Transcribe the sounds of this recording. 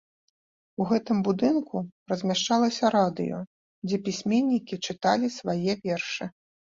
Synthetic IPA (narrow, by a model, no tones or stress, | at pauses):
uɣɛt̪ɨmbud̪ɨnkurɐzʲmʲaʂt͡ʂalˠɐsʲɐɾad̪ɨ̰jɔ̰ | d͡zʲɛpʲisʲmʲɛnʲːikʲit͡ʂɨt̪a̰lʲisvajɛvʲɛrʂɨ